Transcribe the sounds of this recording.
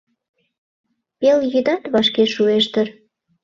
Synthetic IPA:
peljyd̪ɑt̪βɑʃkeʃueʃt̪ər

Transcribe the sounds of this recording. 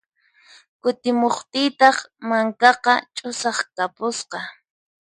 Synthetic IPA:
kʊt̪ɪmoχt̪ɪjt̪ɑχmaŋkɑqɑt͡ʃʼʊsɑχkapʊsqɑ

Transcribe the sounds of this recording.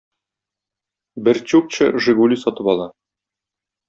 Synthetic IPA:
bɘɾt͡ɕuk̚t͡ɕɤ̰ʒɘ̆ɡulʲisɒt̪ɤpɒlˠɑ

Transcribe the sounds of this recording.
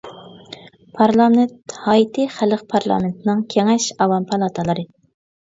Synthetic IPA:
pʰɑɾlˠɑment̪hɑjit̪ʰɨχæləq̚pʰɑɾlˠɑ̰ːment̪ʰɪnɨŋkʲʰeŋɛʃɑwɑmpʰɑlˠɑt̪ʰəlˠɨɾɨ

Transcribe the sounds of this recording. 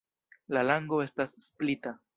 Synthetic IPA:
lalaŋɡo̞e̞stasːplita

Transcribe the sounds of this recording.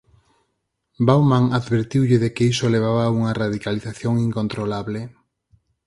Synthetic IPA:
bawmãŋaðβeɾt̪iwʎɪðekeisoleβ̞aβauŋɐraðikaliθaθjoŋiŋkont̪ɾolaβle

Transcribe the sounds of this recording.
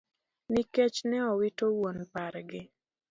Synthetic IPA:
niket͡ʃnɛɔwitowonpaɾɡɪ

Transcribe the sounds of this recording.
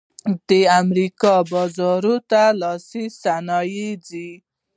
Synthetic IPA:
d̪̥eamɾikɔbɔzɔɾot̪alɔsisanɑjid͡zi

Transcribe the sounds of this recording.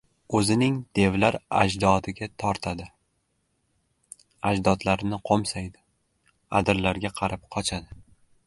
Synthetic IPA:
ɵzɪnɪŋd̪̥e̞vlaɾa̰d͡ʒd̪ɒt̪ɪɡʲat̪ʰɒɾt̪ʰad̪ɪ | ad͡ʒd̪ɒd̪laɾɪnɪqʰomsajd̪ɪ | a̰d̪ɪɾlaɾɡʲaqʰɑɾap̚qʰɒt͡ʃʰad̪ɪ

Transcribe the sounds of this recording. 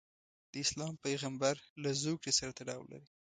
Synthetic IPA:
d̪̥əɪslɑmpajɣambaɾlazokɽesaɾat̪aɽɑ̰wla̰ɾi

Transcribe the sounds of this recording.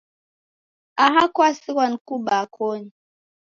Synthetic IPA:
aɦakwasiwankubakʰoːni

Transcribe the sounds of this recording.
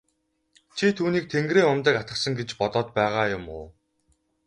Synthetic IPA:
t͡ɕʰit̪ʰuːniːk̚t̪ʰeŋɡreːŋʊmt̪ə̆kat̪ə̆χsə̆ŋɡet͡ɕpɔt̪ɔːt̪̚pæːʁaːjʊmʊː

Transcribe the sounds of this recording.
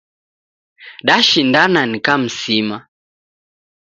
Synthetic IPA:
ɗaʃindananikam̩sima

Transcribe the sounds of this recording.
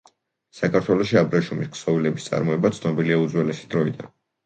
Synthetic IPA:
sakʰaɾt̪ʰwɛlˠɔʃiabɾɛʃumisksɔvilɛbist̪sʼa̰ɾmɔɛbat̪sʰnɔbiliaud̪zwɛlɛsi̥d̪ɾɔid̪a̰n

